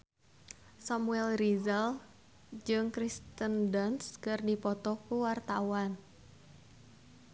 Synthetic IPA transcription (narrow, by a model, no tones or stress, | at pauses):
samuɛlrizəl | d͡ʒɨŋkɾist̪əndanskərdipɔt̪ɔkuwart̪awan